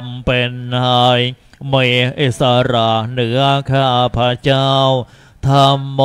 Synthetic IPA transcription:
mpe˧nha˧˩j | meː˧˩ʔi˨˧˩sa˧ɾa˧˩nɯ˨˩˦ɐkʰaː˧˩ʔa˧pʰa˧t͡ɕaː˥˩w | t̪ʰa˧mː˧

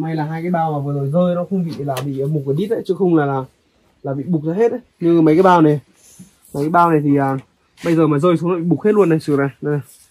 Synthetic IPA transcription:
ma˨˧˩jlaː˨˩ɦaː˧jkaː˨˦jɓaː˧waː˨˩vəː˨˦zo˨˩jzəː˧jnɔ˨˦xə˧wŋ͡mɓḭ˧˨laː˨˩ɓḭ˧˨˩mo˨˩kə˨˩ɗi˦˥t̚ʔə˨˦jt͡ɕɨ˨˧˦xə˧wŋ͡mlaː˨˩laː˨˩ | laː˨˩ɓḭ˧˨ɓʊ˨˩k̚zaː˧ɦe˦˥t̚ʔə˨˦jɲɨ˧˨ma˨˦jkaː˨˦ɓaː˧wna˨˩ | maː˨˩kaː˨˦jɓaː˧wna˨˩jt̪ʰi˨˩ʔaː˨˩ | ɓə˧jzəː˨˩maː˨˩zəː˧jsu˨˦nɔ˨˦ɓḭ˧˨ɓʊ˨˩k̚he˦˥t̚lu˧ənːa˨˩jsɨ˨˩əza˧˩na˨˧˩

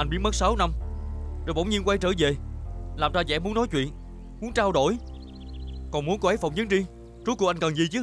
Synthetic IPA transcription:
ʔa˧jnɓi˦˥ənmə˦˥t̚saː˨˦wna˧mzɓə̰˧˩wŋ͡mɲi˧nkwa˧jt͡ɕəː˧˩ve˨˩laː˨˩mzaː˧zɛ̰˧˥mu˨˦ənɔ˨˦jt͡ɕwḭ˧˨ən | mu˨˦ənt͡ɕaː˧wɗo̰˧˩˨j | kɔ˨˩nmu˨˦ənkɔ˨˦ʔe˨˦˥jfa̰ə˧˨wŋ͡mɲɨ˨˦nɗi˧ | t͡ɕu˨˦˥ku˧˩ʔjŋkə˨˩nzi˨˩t͡ɕɨ˦˥

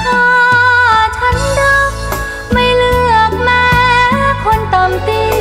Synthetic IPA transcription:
t̪ʰɔː˧˩ | t̪ʰa˧˥ndɯ˧˩k̚ | ma˧˩jlɯ˧˩ək̚maː˧kʰo˧nt̪ɔ˨˩mt̪i˧

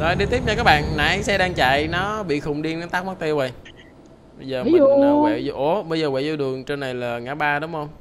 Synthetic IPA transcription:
za˨˩˦ɗi˧t̪i˦˥əp̚ɲa˧kaː˦˥k̚ɓa̰ː˧˨nna̰˨˩˦jsɛ˧˥ɗaː˧ŋt͡ɕa̰˧˨jnɔ˨˦ɓḭ˧˨xʊ˨˩wŋ͡mɗi˧əna˨˦t̪aː˦˥k̚ma˦˥k̚t̪i˧wɓə˨˩j | ɓə˧jzəː˨˩˧zʔo˨˦ɓə˧jzəː˨˩wa̰ː˧˨jzu˧ɗɨ˨˩əŋt͡ɕe˧nːa˨˩jlaː˨˩ŋaː˨˩ɓaː˧ɗʊ˨˦wŋ͡mhə˧wŋ͡m

